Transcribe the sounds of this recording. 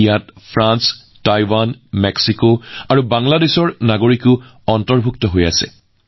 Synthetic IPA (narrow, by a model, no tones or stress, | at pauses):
jatpʰɹans | tajwanmɛksikoaɹubaŋladesɔɹnaɡoɹikʊ | ɔntɔɹbʱuktɔɦojasɛ̰